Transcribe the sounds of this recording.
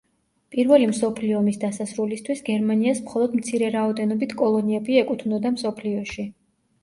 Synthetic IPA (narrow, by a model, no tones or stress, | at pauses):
pʼiɾvɛlimsɔpʰliɔmisd̪asasɾulist̪ʰwisɡɛɾmaniasmχɔlˠɔd̪mt̪sʰiɾɛɾaɔd̪ɛnɔbit̪ʰkʼɔlˠɔniɛbiɛkʼut̪ʰunɔd̪amsɔpʰliɔʃi